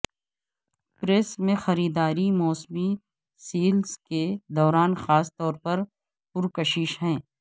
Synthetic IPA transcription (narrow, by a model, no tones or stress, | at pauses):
pɾeːsmẽxɐɾiːd̪aːɾimɔːsmi | siːlsked̪ɔːɾaːnxaːst̪ɔːɾpɐɾ | pʊɾkɐʃiːʃɦɛ̃ː